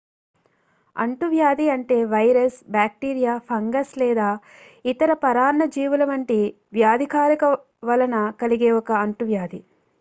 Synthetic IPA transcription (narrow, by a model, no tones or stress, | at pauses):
ɐ̰ɳʈuʋjaːd̪iɐɳʈe̞ːʋɐjɾɐsbaːk̚ʈiːɾijaːpʰɐŋɡɐslɛːd̪aː | it̪ɐɾɐpɐɾaːnːɐd͡ʒiːʋulɐʋɐɳʈi | ʋjaːd̪ʱikaːɾikɐ | ʋɐlɐnɐkɐliɡeːɔkɐːɳʈuʋjaːd̪i